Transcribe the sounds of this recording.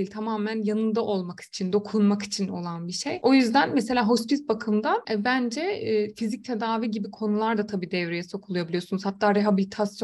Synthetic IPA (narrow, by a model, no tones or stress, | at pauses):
ilʲt̪ʰamaːmænjanɯnd̪aʔo̞lˠmaki̥t͡ʃʰind̪o̞kʰunmaki̥t͡ʃʰino̞̰lˠanbiʃejʔo̞jyzd̪ænmese̞lʲaːɦo̞spisbakʰɯmd̪aɛbænd͡ʒɛfizic̚t̪ʰe̞d̪aːviɟibikʰo̞nulˠaɾd̪at̪ʰabiːd̪ɛvɾejɛso̞kʰulˠujabilʲijo̞sunuzhat̪ʰːaːɾeɦabilʲit̪ʰasjo